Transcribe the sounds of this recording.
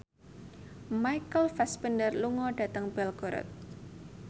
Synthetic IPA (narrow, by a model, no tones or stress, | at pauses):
majkəlfɛspəndərluŋɔɖ̥ä̤t̪əŋb̥ɛlɡ̥ɔ̤ɾɔ̰t̪̚